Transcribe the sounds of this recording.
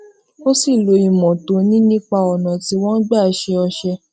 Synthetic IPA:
o˦si˦˨lo˨˧i˨mɔ̃˨to˧˦nĩ˦nĩ˦k͡pa˧ɔ˨nã˨ti˧wɔ̃˦ɡ͡ba˦˨ʃɛ˧ɔ˧ʃɛ˧

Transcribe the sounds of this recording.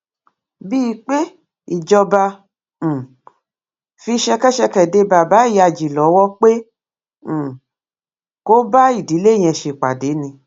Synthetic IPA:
bi˦˧˦k͡pe˦ | i˨d͡ʒɔ˧bã˧˨ | fi˧ʃɛ˧kɛ˦ʃɛ˧kɛ˨de˧ba˨ba˨˦i˦˨ja˧˨d͡ʒi˨lɔ˨˦wɔ˦k͡pẽ˦˨ | ko˦ba˦i˦˨di˨˦le˦˨j̃ɛ̃˧ʃe˧˨k͡pa˨de˨˦nĩ˧

